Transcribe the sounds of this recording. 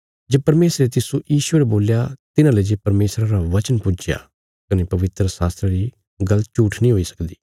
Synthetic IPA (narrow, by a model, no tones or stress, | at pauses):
d͡ʒepɐɾmeːsɾet̪ɪsojiːʃʊeːɾeboːljat̪ɪnãːleːd͡ʒepɐɾmeːsɾãɾaʋɐt͡ʃənpʊd͡ʒɪja̰ː | kɐneːpɐʋɪt̪ɾəsaːst̪ɾeɾiː | ɡɐlt͡ʃuːʈʰnĩːɦoːisə̥kd̪iː